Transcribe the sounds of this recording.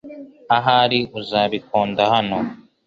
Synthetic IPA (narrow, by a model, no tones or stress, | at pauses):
aɦaɾiʔuzaːβikoːndahano